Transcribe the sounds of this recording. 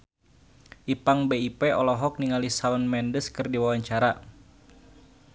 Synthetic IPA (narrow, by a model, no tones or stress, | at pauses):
ʔipaŋbeipeɔlɔɦɔk̚niŋalisaunmɛndəskɨrdiwawaɲt͡ʃaɾa